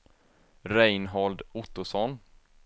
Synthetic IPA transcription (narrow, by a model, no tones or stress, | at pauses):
ɾɛjnɦɔld̪ʊt̪ːʊsɔn